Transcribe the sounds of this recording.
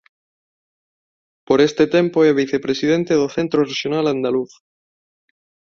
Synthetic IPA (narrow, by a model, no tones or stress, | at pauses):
poɾest̪et̪empoeβiθepɾesið̞ent̪eðoθent̪ɾoreʃjonaland̪aluθ